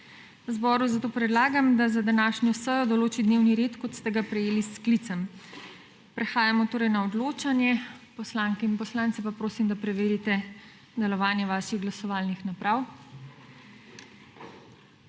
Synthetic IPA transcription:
wzbɔːɾuzat̪oːpɾɛd̪laːɡamd̪azad̪anaːʃnjɔsəjɔd̪ɔloːt͡ʃid̪neːwniɾeːt̪kɔt̪st̪ɛɡapɾɛjeːlisklit̪sɛm | pɾɛxaːjamɔt̪oːɾɛjnaɔd̪loːt͡ʃanjɛpɔslaŋkɛinpɔslaːnt̪sɛpapɾoːsimd̪apɾɛʋeːɾit̪ɛ | d̪ɛlɔʋaːnjɛʋaːʃiɣɡlasɔʋaːlnixnapɾaw

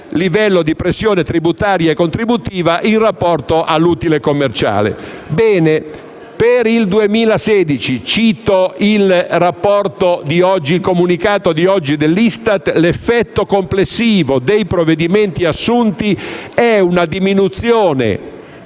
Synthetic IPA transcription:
livɛlːod̪ipɾesːjoːnet̪ɾibut̪aːɾjaekːont̪ɾibut̪iːvaʔinrapːɔrt̪oʔalːuːt̪ilekomːert͡ʃa̰ːlḛbɛːne | peɾild̪uemiːlaseːd̪it͡ʃit͡ʃiːt̪oilrapːɔrt̪od̪iɔd͡ʒːilkomunikaːt̪od̪iɔd͡ʒːid̪elːist̪at̪lefːɛt̪ːokomplesːiːvod̪ejpɾoved̪iment̪iasːunt̪iɛunad̪iminut̪sjoːnḛ

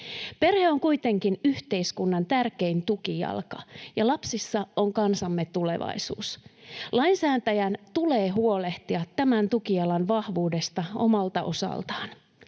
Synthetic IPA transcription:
pe̞rheoŋkujt̪e̞ŋkinyht̪e̞iskunːɑnt̪ærke̞int̪ukijɑ̰lkɑjɑlɑpsisːɑo̞ŋkɑnsɑmːet̪ule̞̰ʋɑ̰isṵːslɑinsæːnt̪æjænt̪uleːɦuo̞le̞ht̪iɑt̪ːæmænt̪ukijɑlɑnʋɑhʋuːde̞st̪ɑo̞̰mɑlt̪ɑʔo̞̰sɑ̰lt̪ɑ̥ːn

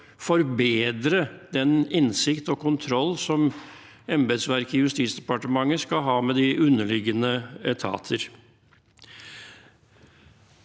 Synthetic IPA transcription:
fɔɾbeːd̪ɾəd̪̥ɛnɪnsɪkt̪ɔkʰʊnt̪ʰɾɔlːsɔm | ɛmbɛd̪sʋæɾkɪjʉst̪iːt̪sd̪ɛpɑʈəmɑŋːəskɑɦɑːmɛd̪ɪʔʉnːəlɪɡːənət̪ʰɑ̰ːt̪ʰəɾ

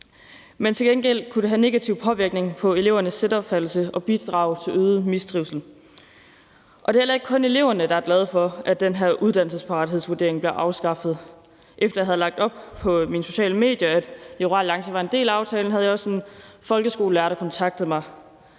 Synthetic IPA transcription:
ment͡sʰe̝lɡ̥enɡ̥el̰kʰud̥e̝ɦæne̝ɡ̥æt͡sʰiʊpʰɒ̽ʋiɐɡ̥̚ne̝ŋpʰɒ̽e̝le̝ʊɐnəsːed̥ɒ̽b̥fæl̩səʔɒ̽b̥id̥ʁɑ̰̈ːʊt͡sʰe̝løːðˠmisd̥ʁiʊsl̩ | ʔɒ̽d̥e̝hel̰ɐeɡ̥kʰɔ̽ne̝le̝ʊ̰ɐnəd̥ɑ̈æɐɡlɛð̞̩ˠfɒ̽ʔæ̥d̥enɦæɐʔuð̞ˠd̥ænl̩səspʰɑ̈ʁɑ̈ɾiɦe̝ðˠsʋuɐde̝ɐ̰eŋb̥leɐʔɑ̈ʊsɡ̥ɑ̈fð̞̩ˠ | ʔefd̥ɐjɑ̈ɦæð̩ˠlɑ̈ɡ̥̚d̥ɒ̽b̥pʰɒ̽minəso̝̥ɕɛ̰ːləme̝̰ːd̥jɐæd̥eʁɑ̰lɑ̈ŋɕəʋɑ̈e̝nde̝̰ːlæɑ̈ʊt͡sʰɛːln̩ɦæð̞̩ˠjɑɒ̽senfɒ̽lɡ̥əsɡ̥o̝ːləæɐɾɐkʰɒ̽nt͡sʰɑ̈ɡ̥̚d̥ð̞̩ˠmɑ̈ɪ

